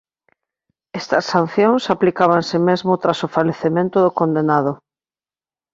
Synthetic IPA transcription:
est̪ɐsːãn̟θjõŋsaplikaβ̞ansɪmezmot̪ɾasofaleθemẽnt̪ʊðokond̪enað̞o

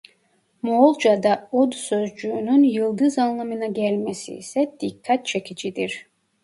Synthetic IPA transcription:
molˠd͡ʒad̪aod̪sø̞zd͡ʒyːnynjɯlˠd̪ɯzanlˠamɯnaɟælʲmesḭːsɛd̪̥ikʰːat̪̚t͡ʃʰe̞cʰid͡ʒid̪iɾ̥

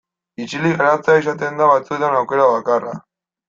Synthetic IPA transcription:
it͡ʃiliɣaɾat͡sais̬at̪e̞nd̪aβat͡sue̞t̪anawke̞ɾaβakara

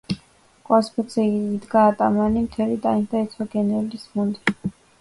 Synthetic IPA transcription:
kʼwaspʰɔzɛid̪ɡaːt̪ʼamanimt̪ʰɛlit̪ʼaind̪ait̪sʰɔɡɛnɛlismund̪i

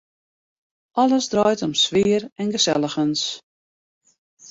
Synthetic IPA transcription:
ʔɔləsdrɔjtɔmsʋɪːərɛnɡəsɛlˠəxəns

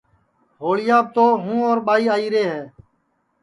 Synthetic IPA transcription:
ɦoːɭɪjaːb̚t̪oːɦũːoːɾɓaːiːaːiːɾeːɦɛː

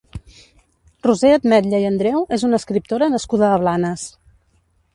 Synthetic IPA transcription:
ruzeəd̪mɛt̪ʎəjənd̪ɾɛwezunəskɾip̚t̪oɾənəskuðəːβ̞lanəs

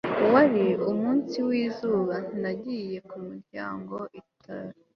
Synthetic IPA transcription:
waɾiumuːnsiwiːzuːβan̥inaɟiːje̞kumuɾɟa̰ːŋɡo̞ʔitʰaɾ

